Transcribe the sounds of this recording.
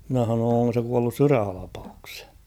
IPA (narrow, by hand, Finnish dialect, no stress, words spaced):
mĭnæ h̞ɑnoːn̞ oŋko se kuɑlːus syræhɑlɑpɑukshe̥j̊